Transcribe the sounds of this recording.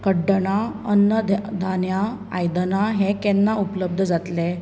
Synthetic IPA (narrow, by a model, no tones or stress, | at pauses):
kəɖəɳaənːəd̪d̪ʱanja | ajd̪ənaɦɛ̃kɛnːaupləb̚d̪ʱəd͡zat̪le